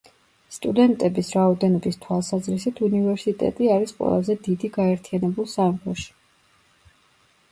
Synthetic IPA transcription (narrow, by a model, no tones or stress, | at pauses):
st̪ʼud̪ɛnt̪ʼɛbisɾaɔd̪ɛnɔbist̪ʰwalˠsazɾisit̪ʰunivɛɾsit̪ʼɛ̰t̪ʼiaɾisqʼwɛ̰lˠazɛd̪id̪iɡaɛɾt̪ʰianɛbulˠsamkʰɔʃi̥